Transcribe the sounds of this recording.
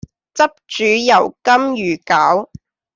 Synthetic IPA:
t͡sɐ˥p̚t͡ʃyː˨˧jɐ˨˩wkɐ˥mjyː˨˩kaː˨˥w

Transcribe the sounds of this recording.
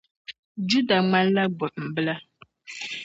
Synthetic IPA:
d͡ʒu˦da˨ŋ͡ma˦n˦la˦ɡ͡bʊ˨m̩˨bɨ˦la˦

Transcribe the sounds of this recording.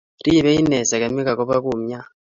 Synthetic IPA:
ɾi˦˨βe˦i˦ne˨sa˨ka˨mi˦ka˨ko˦βa˦ku˨mja˦

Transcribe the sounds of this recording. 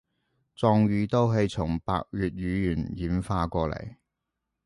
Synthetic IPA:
t͡sɔː˧ŋɥyː˨˧t̪o˥wɦe˧jt͡sʰʊ˨˩ŋpa̰ː˧k̚jyː˨˧t̚ɥyː˨˧jyː˨˩njiː˨˥mfaː˧kʷɔː˧lḛ˨˩j

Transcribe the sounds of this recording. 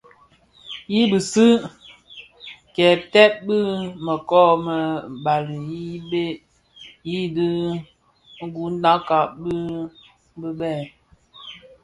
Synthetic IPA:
ji˦bə˨sɨ˦ | kɛ˨tɛ˦p̚bɨ˦mə˨kɔ˦˨mə˨ba˨li˨ji˦be˦ | ji˦di˦ | ɡu˨˦n˦da˦ka˨bə˦ | bə˦bɛ˦˨

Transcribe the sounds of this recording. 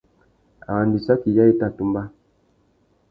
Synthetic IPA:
a̰˨wa˨ndi˨sa˦ki˨ja˦e˦ta˦˨tu˨mba˦

